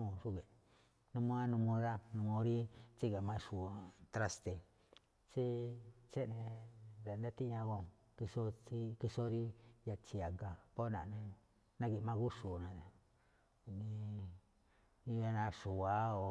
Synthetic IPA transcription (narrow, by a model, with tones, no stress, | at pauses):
o˧˨ʂu˦ɣe˨ | nũ˧mõ˧˦a˦nũ˧mũ˧ða˦nũ˧mõ˧˦ɾi˦t͡ʃi˦ɣa˨mã˧ʂu˨˧t̪ɾa˦st̪e˧ | t͡ʃi˦t͡ʃe˦ʔnẽ˧ɾa˨na˦t̪i˦ɲã˧ɣo˧˨ | ki˧so˦i˦ki˧so˦ɾi˦ja˧t͡ʃi˧a˨ŋɡa˧po˦nã̰˨˧nẽ˧ | nã˦ɣi˧mã˧ɣu˦ʂu˨nã˨ | nĩ˧ | nĩ˧βa˧nã˧ʂu˨a˦o˨